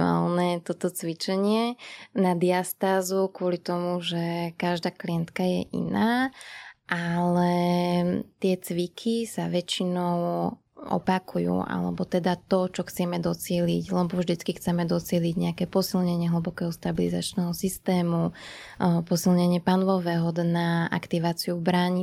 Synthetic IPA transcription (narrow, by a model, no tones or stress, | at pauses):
a̰ːlnɛt̪ɔt̪ɔt͡sʋit͡ʃɛɲɪɛnad̪iast̪aːzukʊɔlit̪ɔmuʒɛkaʒd̪aːkliɛnt̪kajɛ̰ʔḭnaː | ʔalɛ | t̪ɪɛt͡sʋikʰisaʋɛt͡ʃinɔʊ | ʔɔ̰pakujṵːʔa̰lɛ̰bɔt̪ɛd̪at̪ɔt͡ʃɔxt͡sɛmɛd̪ɔt͡sɪɛliɟlɛbɔvʒd̪it͡skixt͡sɛmɛd̪ɔt͡sɪɛliɟɲɛakɛːpɔsilɲɛɲɪɛɦl̩bɔkɛːɦɔst̪abiliza̰t͡ʃnɛːɦɔsist̪ɛːmu | pɔsilɲɛɲɪɛpanlɔʋɛːɦɔd̪naa̰kt̪iʋaːt͡siuvbɾaɲi